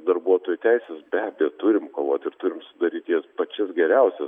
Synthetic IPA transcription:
d̪ɐɾbuɔt̪oːjʊtʲæɪsʲɛsbʲæːbʲiɛt̪ʊɾʲɪmkoːʋoːt̪ʲɪɾt̪ʊɾʲɪmsʊd̪ɐɾʲiːt̪ʲjiɛspɐt͡ʃʲɪsɡʲɛɾʲɛʊsʲɛ

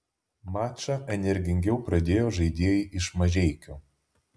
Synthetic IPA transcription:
mɑːt͡ʃɐʔɛnʲɛɾʲɡʲɪŋʲɡʲɛʊpɾɐd̪ʲeːjoːʒɐɪd̪ʲeːjɪʔɪʃmɐʒʲɛɪkʲoː

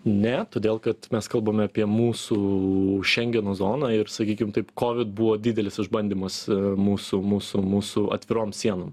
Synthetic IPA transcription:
nʲɛt̪oːd̪ʲeːlˠkɐt̪mʲɛskɐlˠbɐmʲɛɐpʲiɛmuːsuʃʲɛŋʲɡʲɛnoːzoːnɑːɪɾsɐkʲiːkʲɪmt̪ɐɪpkoːʋʲɪt̪̚buʋoːd̪ʲiːd̪ʲɛlʲɪsɪʒbɐnʲd̪ʲiːmɐsmuːsumuːsʊmuːsʊʔɐ̰t̪ʲʋʲɪɾoːmsʲiɛnom

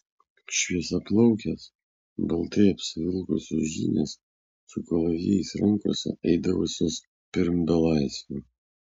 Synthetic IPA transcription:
ʃʲʋʲiɛsɐplˠɐʊkʲɛs | bɐlˠt̪ɐɪɐpʲsʲɪʋʲɪlˠkʊsʲosʒʲḭːnʲḛs | sʊkolˠɐʋʲiɛɪsɾɐŋˑkoɔsʲɛ̰ɛɪd̪ɐʋʊsʲoːs | pʲɪɾmd̪ɐlˠɑɪsʲʋʲu

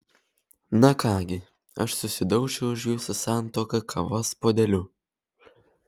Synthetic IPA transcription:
nɐkɑːɡʲɪ | ɐʃsʊsʲɪd̪ɐʊʃʲɛʊʊʒjuːsʊsɑˑnt̪oːkɐkʰɐʋɐspoːd̪ʲɛlʲʊ

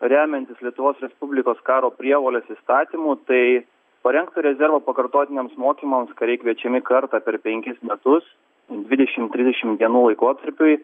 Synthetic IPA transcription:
ɾʲæːmʲɛnʲt̪ʲɪslʲiɛt̪ʊʋoːsɾʲɛspʊbʲlʲɪkoːskɑːɾoːpʲɾʲiɛʋoːlʲeːsist̪ɑːt̪ʲiːmuːt̪ɐɪ | pɐɾʲɛŋk̚t̪ɐɾʲɛzʲɛɾʋoːpɐkɐɾt̪oːt̪ʲɪnʲeːmsmoːkʲiːmɐmskɐɾʲɛɪkʋʲiɛt͡ʃʲɛmʲɪkɐɾt̪ɑːpʲɛɾpʲɛŋʲkʲɪsmʲɛt̪ʊs | d̪ʲʋʲɪd̪ʲɛʃʲɪmt̪ʲɾʲɪzd̪ʲɛʃʲɪmdʲiɛnuːlˠɐɪkoːt̪ɐɾʲpʲʊɪ

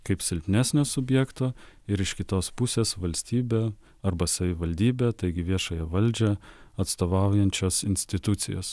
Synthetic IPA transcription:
kɐɪpsʲɪlʲpʲnʲæːsʲnʲoːsʊbʲjɛkt̪oːɪɾɪʃkʲɪt̪oːspʊsʲeːsʋɐlʲsʲt̪ʲiːbʲeː | ɐɾbɐsɐʋʲɪʋɐlʲd̪ʲiːbʲeːt̪ɐɪɡʲɪʋʲiɛʃɐːjɛʋɐlʲd͡ʒʲɛɐt̪st̪oːʋɑˑʊjɛnʲt͡ʃʲoːsɪnʲsʲt̪ʲɪt̪ʊt̪sʲɪ̰jo̰ːs

